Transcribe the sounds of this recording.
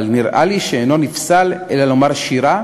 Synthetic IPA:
lniʁʔa̰liʃeːno̞nifsalelalo̞maʁʃiʁa

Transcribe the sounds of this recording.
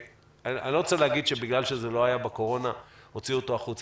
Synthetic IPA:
aa̰nlo̞ot͡seleaɡid̪ʃebiɡlalʃezelo̞ajabeko̞ʁo̞naho̞t͡sioto̞aχut͡s

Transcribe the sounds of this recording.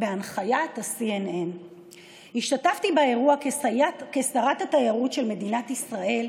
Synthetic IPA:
beanχajatasienen | hiʃtataftibaeʁua | kesaʁathatajaʁutʃe̞lme̞dinatisʁaʔe̞l

